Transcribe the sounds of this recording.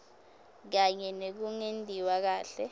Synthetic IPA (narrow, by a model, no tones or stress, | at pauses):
k̬aɲɛnek̬uŋendʱiwak̬aːɬɛ